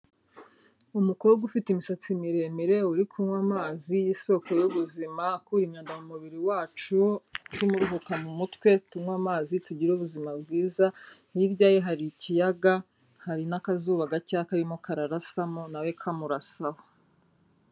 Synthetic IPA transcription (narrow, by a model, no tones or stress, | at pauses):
umukowoɡufitimisat͡simiɾe̞miɾe̞uɾikʰumwamaːzijiso̞ko̞juβuzimakuɾimɲaːndamumuβiɾiwaːt͡ʃutimuɾuɦukanumutwe̞tumwamaːzituɟiɾuβuzimab̚ɡiːzahiɾɟaːjeɦaɾicijaɡa | haɾinakazuːβaɡacakaɾimokaɾaɾasamonawe̞kʰamuɾasaho